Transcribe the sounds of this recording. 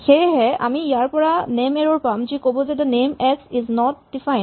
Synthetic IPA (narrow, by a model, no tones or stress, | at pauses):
xejɦɛʔamiijaɹpɔɹanemɛɹɔɹpamd͡ʒikobozɛdənemɛksiznɔt̚difaj